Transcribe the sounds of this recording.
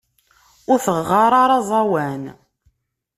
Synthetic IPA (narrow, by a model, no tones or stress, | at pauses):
ʊɾθəʁːɑɾˤɑɾˤɑzˤɑwæn